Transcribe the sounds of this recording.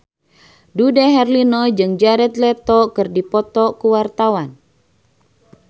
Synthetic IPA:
dudɛɦɛrlinɔd͡ʒɨŋd͡ʒaɾɛt̪̚lɛt̪ɔkɨrdipɔt̪ɔkuwart̪awan

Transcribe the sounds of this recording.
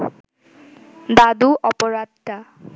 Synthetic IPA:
d̪ad̪uʔɔpɔɹad̪t̪a

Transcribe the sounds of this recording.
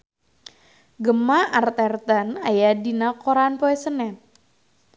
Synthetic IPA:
ɡəmaart̪ɛrt̪anajadinakoɾanpɔɛsənɛt̪̚

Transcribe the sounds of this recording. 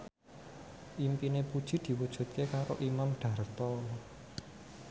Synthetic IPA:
ʔimpinepud̥ʒ̥i̤d̪̥i̤wud̥ʒ̥ṳt̪̚kekaɾo̰ʔimamɖ̥ä̤rt̪ɔ

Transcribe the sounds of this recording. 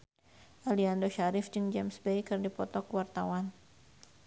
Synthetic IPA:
ʔaliandoʃaɾɪfd͡ʒɨŋd͡ʒɛmsbejkɨrdipɔt̪ɔkwart̪awan

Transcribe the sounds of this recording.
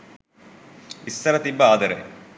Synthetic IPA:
isːɐɾɐt̪ibːɐaːd̪ɐɾɐ̰

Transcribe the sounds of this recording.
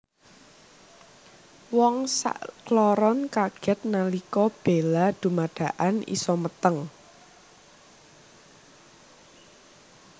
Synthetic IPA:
wɔŋsa̰ʔklɔɾɔnkaɡ̥ɛ̤t̪̚nalikɔb̥e̤lad̪̥ṳmaɖ̥ä̤ʔanḭsɔmət̪əŋ

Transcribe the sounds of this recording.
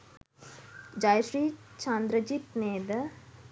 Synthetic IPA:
d͡ʒaːjʃɾiːt͡ʃãːnd̪ɾəd͡ʒiːt̪neːd̪ə

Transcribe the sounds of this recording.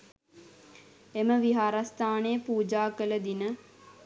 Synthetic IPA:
eməʋiɦaɾast̪aːneəpuːd͡ʒaːkələd̪inə

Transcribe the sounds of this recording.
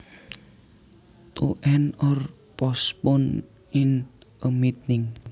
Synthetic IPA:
t̪oʔɛnɔr | pɔspɔn | ɪnəmit̪̚nɪŋ

